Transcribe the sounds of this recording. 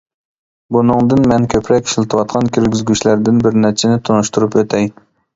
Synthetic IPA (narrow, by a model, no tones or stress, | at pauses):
bunɨŋd̪ɨnmɛnkʲʰøpʰɾɛkʲi̥ʃlˠɪt̪ʰɨwɑt̪qʰɑnkʲʰyɾɡʲizɡʲyt͡ʃlæɾd̪ɪnbɪɾnæɾt͡ʃʰɪnɪt̪ʰonuʃt̪uɾupøt̪ʰɛj